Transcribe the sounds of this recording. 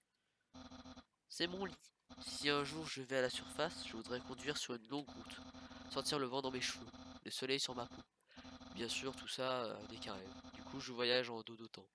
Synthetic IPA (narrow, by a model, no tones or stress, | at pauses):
sɛmɔ̃li | siɛ̃ʒuʁʒəvɛalasyʁfasʒ̥əvud̪ʁɛkɔ̃d̪ɥiʁsyʁynlɔ̃ɡʁut̪sɑʁt̪iʁləvɑ̃d̪ɑ̃meʃəvøləsɔlɛjsyʁmapo | bjɛ̃syʁt̪ʰusad̪ekʲaʁɛd̪ykʰuʒəvwajaʒɑ̃d̪od̪ət̪ɑ̃